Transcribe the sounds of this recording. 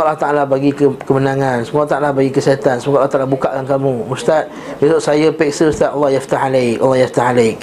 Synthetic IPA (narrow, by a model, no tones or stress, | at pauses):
ʔalːaht̪aʔalabaɡikkəmənãŋãnsəmut̪aʔalahbaɡikəsiat̪ansəmukʔlːht̪alahbukaʔkankamũust̪at̪̚ | besʊʔ̪sajapɛksəust̪at̪̚ʔalˤːɑhjaft̪ahalajka̰lːɑhjaft̪ahalajk̚